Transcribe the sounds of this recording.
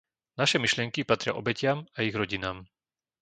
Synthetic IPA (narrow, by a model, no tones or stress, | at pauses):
naʃɛmiʃlɪɛŋkipat̪ɾɪa̰ʔɔ̰bɛcɪamaiɣɾɔɟinaːm